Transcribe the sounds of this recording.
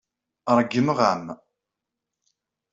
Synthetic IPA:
ɾˤəɡːəməʁam

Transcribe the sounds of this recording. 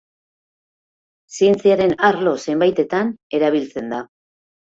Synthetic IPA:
sie̞nt͡siaɾe̞naɾlo̞se̞mbajt̪e̞t̪ane̞ɾaβ̞ilt͡se̞nd̪a

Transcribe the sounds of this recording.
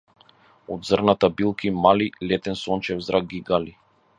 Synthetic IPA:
ɔd̪zrnat̪abilˠkʰimalilɛt̪ɛnsɔnt͡ʃɛvzɾʔaɡ̚ɡiɡali

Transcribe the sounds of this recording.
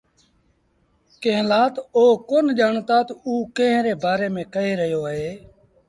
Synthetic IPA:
kẽːlaːt̪oːkoːnʄaːɳt̪aːt̪uːkẽːɦɾeːbaːɾeːmẽːkəɦeːɾəɦjoːɦeː

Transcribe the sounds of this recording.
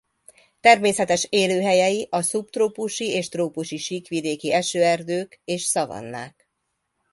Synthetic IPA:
t̪ɛrmeːsɛt̪ɛʃeːløːɦɛjɛjiʔɒsupt̪roːpuʃieːʃt̪roːpuʃiʃiːkʋid̪eːkiɛʃøːɛrd̪øːkeːʃsɒvɒ̰nːa̰ːk

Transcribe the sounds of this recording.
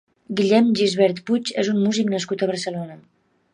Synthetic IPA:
ɡiʎɛmʒizβɛɾt̪put͡ʃezunmuziknəskut̪əβəɾsəlonə

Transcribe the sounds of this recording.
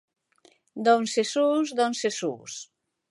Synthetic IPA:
d̪onsesuzd̪onsesṵs

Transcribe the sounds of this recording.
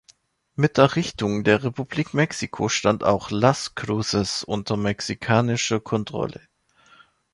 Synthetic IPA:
mɪt̚d̥eːɐʁɪçtʊŋdeːɐʁepubliːkmɛksikʰoʃtanta̰ʊxlaskʁ̥uːsəsʔʊ̰ntɐmɛksikʰaːnɪʃɐkʰɔntʁ̥ɔ̰lʔə̰

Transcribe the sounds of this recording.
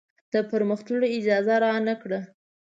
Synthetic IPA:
d̪̥əpəɾməxt̪əloɪd͡ʒɑzaɾɑnakɽa

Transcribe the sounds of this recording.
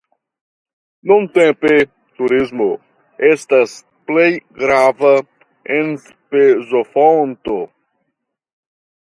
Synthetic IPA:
nõnt̪ẽmpe | t̪uɾizmo | est̪as | plejɡɾavɐ | ens | pezofont̪o

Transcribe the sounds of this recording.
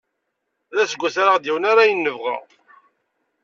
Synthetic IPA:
ðæsəɡʷːæθaɾaʁd̪iwənaɾajənːəvʁa̰

